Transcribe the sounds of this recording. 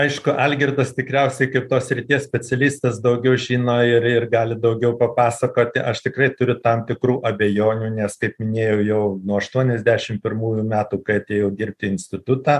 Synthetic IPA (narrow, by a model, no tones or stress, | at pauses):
ɐɪʃkʊʔɐlʲɡʲɪrd̪ɐst̪ʲɪkɾʲɛʊsʲɛɪkɐɪp̚t̪oːssʲɾʲɪt̪ʲiɛssʲpʲɛt͡sʲɛlʲiːst̪ɐsd̪ɐʊɡʲɛʊʒʲiːnoːɪrɪrɡɑːlʲɪd̪ɐʊɡʲɛʊpɐpɑːsɐkoːt̪ʲɪʔɐʃt̪ʲɪkrɐɪt̪ʊɾʲʊt̪ɐmt̪ʲɪkruːʔɐbʲejoːnʲuːnʲɛskɐɪpmʲɪnʲeːjɛʊjɛʊnuɔɐʃt̪uɔnʲɛzʲd̪ʲæːʃʲɪmpʲɪrmuːjuːmʲæːt̪uːkɐɪɐt̪ʲeːjɛʊd̪ʲɪrʲp̚ʲt̪ʲɪɪnʲsʲtʲɪt̪ʊt̪ɑː